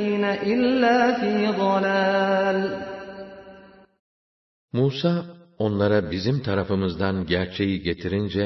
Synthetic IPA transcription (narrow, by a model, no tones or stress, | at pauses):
iːnaʔɪlːaːfiːðˤɑlaːl | muːsaːo̞nlˠaɾabizimt̪ʰaɾafɯmɯzd̪anɟæɾt͡ʃʰe̞jiɟe̞t̪ʰiɾind͡ʒɛ